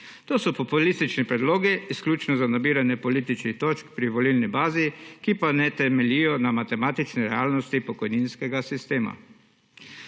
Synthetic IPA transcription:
t̪oːsɔpɔpulist̪it͡ʃnipɾɛd̪loːɡiːsklʲuːt͡ʃnɔzanabiːɾanjɛpɔliːt̪it͡ʃnixt̪oːt͡ʃkpɾiʋɔlilnibaːzikipanɛt̪ɛmɛlijɔnamat̪ɛmaːt̪it͡ʃnɛɾɛaːlnɔst̪ipɔkɔjninskɛɡasist̪eːma̰

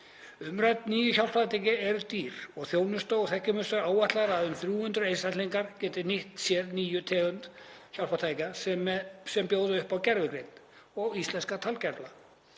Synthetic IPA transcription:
ʏmɾajt̪niːjʏçawl̥faðt̪ʰacɪɛɾʏt̪iːɾɔɣθjoːwnʏst̪owθɛhcɪmʏst̪ʏɾaːwvaht̪laɾaðʏmθɾjuːhʏnt̪ɾʏejsat̪liŋkaɾ̥cɛːt̪ɪnɪht̪sjɛɾniːjʏt̪ʰɛːɣʏnt̪çawlfat̪aːjcassɛmpjoːwðɪʏhpawcɛɾvɪkɾejt̪ | ɔɣist̪lɛnskat̪ʰalcɛɾpla

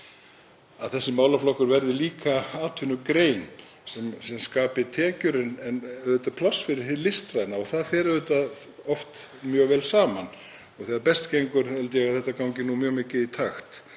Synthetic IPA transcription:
aðθɛsːɪmaːwlaflɔhkʏɾvɛɾðɪliːkaaːt̪ʰʏnʏkɾeːjn | sɛmsɛmskaːpɪt̪ʰɛːcʏɾɪnɛnʏːt̪apʰlɔsːfɪɾɪ̥lɪst̪ɾajɪnaɔɣθaðfɛːɾðʏt̪a | ɔft̪ | mjœːɣvɛːlsaːman | ɔɣθɛðaɾpɛst̪cejŋkʏɾɛlt̪ɪjɛɣaðθɛht̪ːakawŋɲcɪnːumjœːɣmɪcːɪðit̪ʰaxt̪

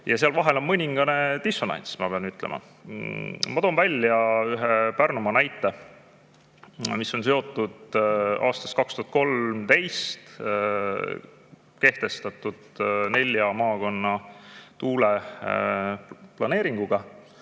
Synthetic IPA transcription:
jɑseɑlvɑɦe̞lo̞nmɤnʲiŋɡ̥ɑne̞t̪iso̞nɑ̰nʲsmɑ̰pe̞ɑnyt̪ːˑlḛmʔɑ̰ | mɑt̪o̞ːnvælʲːjɑyɦe̞pærnumɑnæjt̪ˑːe̞ | misːo̞ns̬e̞o̞t̪ːˑud̪̥ɑ̰ːst̪ɑ̥st̪̚kɑkst̪uhɑt̪̚ko̞lmt̪e̞jst̪ | ke̞ht̪e̞st̪ɑt̪ːˑud̪̥ne̞lʲjɑmɑːko̞nːɑt̪uːle | plɑne̞ːɾiŋɡ̥uɡ̥ɑ

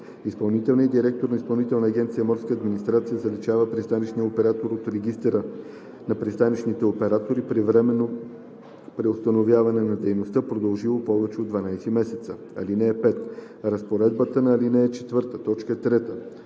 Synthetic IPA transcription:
ispɐlˠnit̪ɛlˠniəd̪iɾɛk̚t̪oɾnɐispɐlˠnit̪ɛlˠnəːɡʲɛnt̪sijəmɔɾskəːd̪minist̪ɾat̪sijəzɐlit͡ʃavəpɾist̪anit͡ʃnijəopɛɾat̪oɾot̪ɾɛɡist̪ɛɾə | nɐpɾist̪anit͡ʃnit̪ɛopɛɾat̪oɾipɾivɾɛmɛno | pɾiost̪ɐnovjavɐnɛnɐd̪ɛjnost̪əpɾod̪ɐlˠʒilˠopɔvɛt͡ʃɛod̪vɐnajsimɛsɛt̪sə | ɐ̰linɛːpɛt̪ | ɾɐspoɾɛd̪bət̪ənɐːlinɛɛt͡ʃɛt̪vɤɾt̪ət̪ɔt͡ʃkəɛt̪ɾɛt̪ə

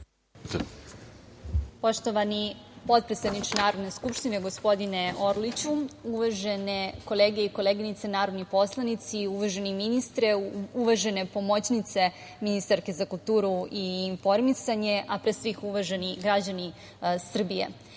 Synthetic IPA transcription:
po̞ʃt̪oʋanipo̞t̪̚pɾesed̪nit͡ʃenaːɾo̞d̪neskupʂt̪ineɡo̞spo̞d̪ine̞o̞ɾlit͡ɕuuʋaʒeneko̞leːɡeiko̞leːɡinit̪senaːɾo̞d̪nixpo̞slˠanit̪siuʋaʒeniminist̪ɾeuʋaʒene̞po̞mot͡ɕnit̪se̞ | minist̪aɾke̞zakulˠt̪uːɾuiːɱfo̞ɾmisaɲeʔapɾesʋixuʋaʒenixɡɾad͡ʑani | sr̩bijḛ

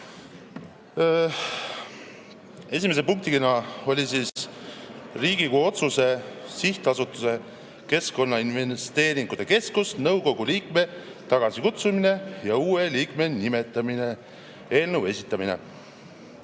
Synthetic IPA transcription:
e̞sʲime̞s̬epuŋk̚t̪ikinɑo̞lʲisiːs | riːɡ̥ikuo̞t̪suse̞siht̪ɑsut̪ːˑuse̞ | ke̞sko̞nːɑinvest̪e̞ːɾiŋɡ̥ut̪e̞ke̞skusnɤwko̞ɡ̥uliːk̚me̞t̪ɑɡ̥ɑsikut̪sumine̞jɑuːeliːkme̞nime̞t̪ːˑɑmine̞ | e̞ːlnəwe̞sʲit̪ːˑɑminḛ

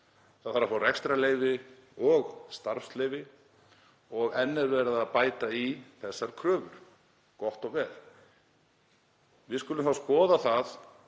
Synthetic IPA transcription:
θaðθaɾːafaːrɛkst̪ɾaleːjvɪ | ɔɣst̪aɾfsleːjvɪ | ɔɣɛnːɛɾvɛːɾaðaðpaːjt̪aiθɛsːaɾ̥kʰɾœːvʏɾ̥ | kɔht̪ɔɣvɛːl | vɪðskʏlʏmfaskɔːðaθað

